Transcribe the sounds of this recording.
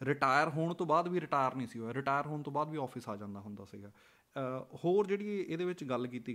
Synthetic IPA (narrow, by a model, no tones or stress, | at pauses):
ɾɪʈaːjəɾɦoːɳt̪õːbaːd̪ʋiːɾɪʈaːjəɾnĩːsioɛːɾɪʈaːjəɾɦoːɳt̪õːbaːd̪ʋiːɔːpʰɪsaːd͡ʒãːnd̪aːɦʊ̃nd̪aːsḭːɡaː | hoːɾd͡ʒeːɽiːɛʔeːd̪eːʋɪt͡ʃɡəlkiːt̪iː